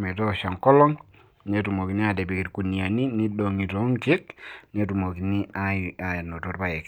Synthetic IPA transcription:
mɛ˨tɔ˦˨ʃa˨ŋkɔ˦lɔ˦ŋ | ne˨˦tu˨mo˨ki˨ni˦a˨dɛ˨bi˨ki˨ɾku˨ni˨a˨ni˦ni˦do˨ŋi˨to˨˦ŋt͡ʃɪ˦kne˦tu˨mo˨ki˨ni˦aa˨no˨to˦ɾba˨jɛ˨k

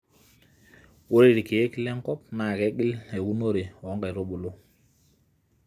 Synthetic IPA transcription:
wo˦ɾi˨ɾi˨ki˨je˦ki˦lɛ˦ŋ˦kɔ˦p̚na˨kɛ˨˦ɡi˦le˨wu˦no˦ɾe˨ɔ˦ŋɡa˨jɾo˦ɓu˨lo˦

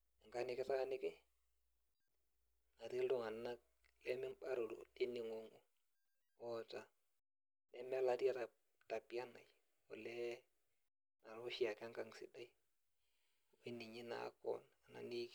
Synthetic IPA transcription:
ɪ˨ŋɡa˦nɪ˨kɪ˦ta˦nɪ˦kɪ˦ | ŋa˨ti˦ldʊ˦ŋa˨na˦k̚ | lɛ˦mɪ˦mba˦ɾo˨ɾo̰˨lɪ˦nɪ˨ŋo˨ŋu˨ | ɔ˨ta˨ | lɛ˦m˦a˦la˨ti˦a˦ta˨ | ta˨pi˦a˦na̰˨j | ɔ˨lɛ˦ | na˨ɾo˦ʃi˦a˨ka˦ŋɡa˨ŋsɪ̰˨da˦i˦ | o˦i˦ni˨ɲi˦na̰˨˦kɔ̰˦na˨na̰˨ni˦k

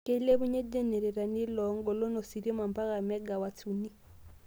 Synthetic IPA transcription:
ke˦le˦βu˦ɲe˦de˦nɛ˨ɾɛ˨ɾa˨ni˦lɔŋɡɔ˨lo˦no˨si˨ɾi˦ma˨mpa˦ɣa˨mɛ˦ɡa˨wa˨t͡sʰu˨ni˦

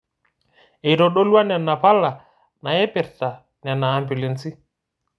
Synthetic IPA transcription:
e˨ɾo˨ɗo˦lwa˦nɛ˨nːa˨pa˦lːa˨ | na˨e˦pɛ˨ɾta˨ | nɛ˨nːaː˨mbu˨le˨nsi˦

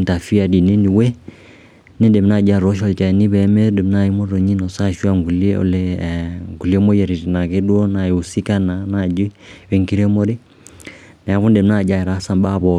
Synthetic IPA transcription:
ta˨fi˦a˨di˨ne˦ni˨we˦ | ne˦nde˨m˦na˦˨d͡ʒa˦˨ɾo˦ʃ̬ɔ˨lt͡ʃa˨ni˦βɛ˨mɛ˦de˨m˦na˦˨i˦mo˦ɾo˨ɲi˦nɔ˨sa˦ʃu˦a˦ŋɡu˨le˦o̰˨le˦ŋɡu˨li˦e˦mo˦jɛ˨ɾi˨ɾi˨na˨ke˦dwɔ˦na˨u˨si˦ka˦na˨na˨d͡ʒi˦we˨ŋki˦ɾe˦mo˦ɾi˦ | nɛ˨a˨βu˦nde˨m˦na˦˨d͡ʒa˦e˨ɾa˨˦sa˨mba˦˨βɔ˨

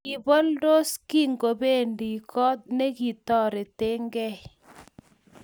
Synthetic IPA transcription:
ki˨bɔ˦ldo˦ski˦ŋɡo˨be˦ndi˨kɔ˦t̚ne˦ki˨tɔ˦˨ɾe˨te˦ŋɡɛ˦˨j

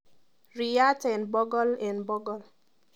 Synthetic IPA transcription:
ɾi˨a˦tɛ˨nbɔ˦ɡɔ˦lɛ̃˨nbɔ˦ɡɔ˨l

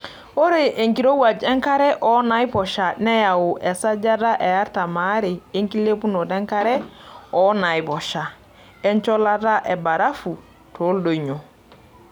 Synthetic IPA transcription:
o˦ɾe˨ʔe˨ŋki˨ɾo˦wa˨d͡ʒɛ˦ŋka˦ɾɛ˦ʔɔ˨˦na˨˦i˦pɔ˨ʃa˨nɛ˦ja˨wu˨ʔɛ˨sa˦d͡ʒa˦da˦ʔɛ˨ja˦ɾta˨maː˨˦ɾe˨e˦ŋki˦le˦pu˦no˨dɛ˦ŋka˦ɾɛ˦ɔ˦na˨i˨bɔ˨ʃa˨ | ɛ˦nt͡ʃɔ˦la˦da˦ʔɛ˨ba˨ɾa˦fu˨ | to˨˦ldo˨ɲo˨

